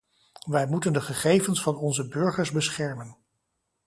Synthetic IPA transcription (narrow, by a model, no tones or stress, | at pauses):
ʋɛjmutəndəχəχejvənsfɑnɔnzəbɵɹχəɹzbəsχɛɹmən